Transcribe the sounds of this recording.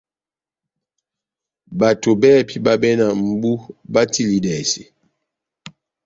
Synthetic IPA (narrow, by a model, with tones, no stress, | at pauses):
ba˨to˨bɛ˦˨pʰi˦ba˦bɛ˦na˨m̩˨˦bu˦ba˦tʰi˦li˨dɛ˨sḭ˨